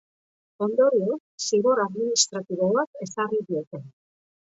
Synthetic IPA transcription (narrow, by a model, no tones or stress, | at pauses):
ond̪oɾio | siɣoɾaðminist̪ɾat̪iβoβakesariðiet̪en